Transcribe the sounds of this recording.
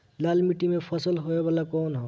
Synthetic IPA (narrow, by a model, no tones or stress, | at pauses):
lalmiʈimepʰəsəlɦoebalakɔːnɦɔ